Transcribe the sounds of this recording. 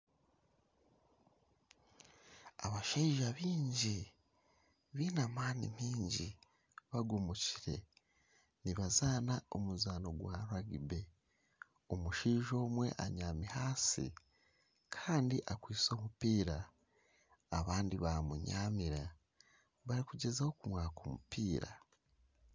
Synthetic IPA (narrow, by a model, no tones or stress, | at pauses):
aβaʃeiʒaβiːɲɟi | βiːnamaːnḭmiːɲɟi | βaɡumuciɾe̞̰ | niβazaːnao̞muzaːno̞ɡwaɾuaɡibe̞ | omuʃiːʒo̞ːmwe̞̰ʔaɲaːmihaːsḭ | kʰaːndiʔakwiːso̞ːmupiːɾa | βaːndiβamuɲaːmiɾa | βaɾikuɟe̞zaho̞kumwaːkomupiːɾa̰